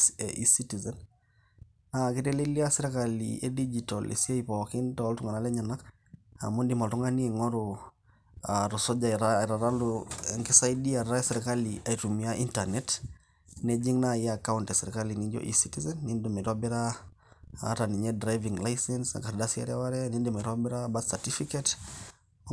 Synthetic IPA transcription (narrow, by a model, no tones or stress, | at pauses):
eʔisitizɛn | akiteliliasiɾekalḭḛdid͡ʒitɔlʔḛsiaipɔkintɔltuŋanalɛɲanak | a̰mundimaltuŋaniɛŋɔɾu | aɾɔsɔd͡ʒaɾaɾaɾaluŋkisaidiaɾasɛɾikaliaitumiaʔintanɛt | ned͡ʒiŋnaiakauntasɛɾikalinid͡ʒɔ̰ʔḭsitizɛnːindimaiɾabiɾa | a̰ɾaniɲɛdɾajviŋlajsɛnsa̰kaɾdasia̰ɾɛwaɾɛnindimaiɾabiɾabasatifikɛt